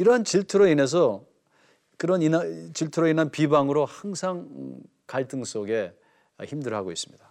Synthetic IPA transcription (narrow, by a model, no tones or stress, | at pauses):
iɾʌɦant͡ɕiɭtʰuɾoine̞s̬ʰʌ | kɯɾʌnint͡ɕiɭtʰuɾoinɦanpibaŋɯɾohaŋsʰaŋ | kaɭt͈ʰɯŋs͈oɡe̞ | çimdɯɭaɡois͈ɯ̥mɲid̥a